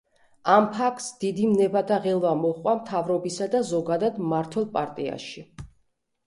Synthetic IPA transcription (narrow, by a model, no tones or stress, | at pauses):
ampʰakʰt̪sd̪̥id̪imnɛbat̪ʰaʁɛlˠvamɔχʼwamt̪ʰavɾɔbisad̪azɔɡad̪ad̪maɾt̪ʰwɛlˠpʼaɾt̪ʼia̰ʃi